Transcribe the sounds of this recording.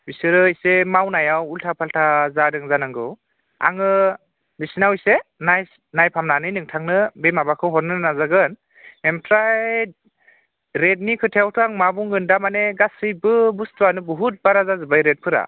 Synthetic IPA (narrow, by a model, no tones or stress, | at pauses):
bisɯɾɯisemawnajawultʰapʰaltʰazadɯŋzanaŋɡɯw | a̰ŋɯ | bisinawijsenaj | najpʰamnanɯjnɯŋtʰaŋnɯbemabakʰɯwɦɔɾnɯnazaɡɯn | memtʰɾaj | ɾet̚nikʰɯtʰeawtʰɯaŋmabuŋɡɯndamaneɡasɯjbɯbustuanɯbɔɦut̚baɾazazɯbajɾet̚pʰɯɾa̰